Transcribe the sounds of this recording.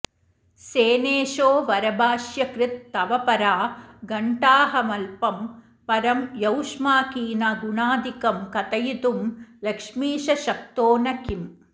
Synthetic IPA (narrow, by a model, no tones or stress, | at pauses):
seːneːʃoːʋɐɾɐbaːʃjɐkɾɪt̪ːɐʋɐpɐɾaːɡɐɳʈaːɦɐmɐlpɐm | pɐɾɐmjɐwʂmaːkiːnɐɡuɳaːd̪ikɐmkɐt̪ɐjit̪umlɐkʂmiːʃɐʃɐk̚t̪oːnɐkim